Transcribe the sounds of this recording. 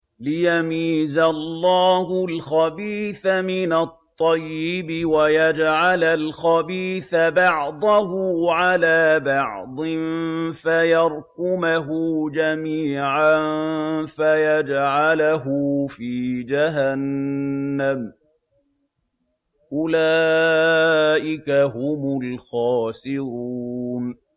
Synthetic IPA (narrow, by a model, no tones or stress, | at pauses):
lɪjamiːzalːɑːhʊlxabiːθamɪnat̪ˤːɑjːɪbɪwajad͡ʒʕalalxabiːθabɑʕd̪ˤɑɦʊːʕalaːbɑʕd̪ˤɪnfajɑɾˤkʊmaɦʊd͡ʒamiːʕanfajad͡ʒʕalaɦʊfiːd͡ʒaɦanː | am | ʔʊlaː | ʔɪkaɦʊmʊlxɑːsɪɾuːn